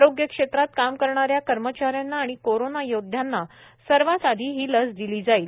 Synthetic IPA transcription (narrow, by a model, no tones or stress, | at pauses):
aɾoɡjəkʂet̪ɾat̪̚kamkəɾɳaɾjakəɾmət͡ɕaɾjanːaːɽ̃ikoɾonajod̪ʱjanːa | səɾʋasad̪ʱiːɦiːləsd̪iliːd͡zaiːl